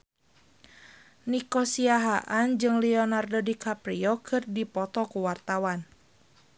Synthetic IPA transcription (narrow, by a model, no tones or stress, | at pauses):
nikɔsiaɦaʔand͡ʒɨŋlɛɔnardɔdikapɾiɔkʰɨrdipɔt̪ɔkuwart̪awan